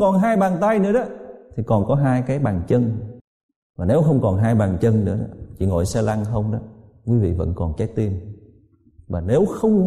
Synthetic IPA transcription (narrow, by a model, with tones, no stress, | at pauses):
kɔ˨˩nɦaː˧jɓaː˨˩nt̪a˧jnɨ̰˧˥əɗɔ˨˦t̪ʰi˨˩kɔ˨˩nkɔ˨˦ɦaː˧jkaː˨˦jɓaː˨˩ŋt͡ɕə˧n | vaː˨˩ne˨˦wxə˧wŋ͡mkɔ˨˩nɦaː˧jɓaː˨˩nt͡ɕə˧nnɨ̰˧˥əɗɔ̰˨˦t͡ɕḭ˧˨ŋo̰˧˨jsaː˧la˧ŋxə˧wŋ͡mɗɔ˨˦ | kwi˨˦vḭ˧˨və̰˧˥nkɔ˨˩nkɛ˨˦˥t̪i˧ən | vaː˨˩ne˨˦wxə˧wŋ͡m